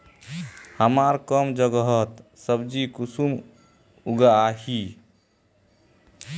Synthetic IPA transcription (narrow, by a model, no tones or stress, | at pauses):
həmaɾkəmd͡ʒəɡəɦət̪səbd͡ʒikusum | uɡaahi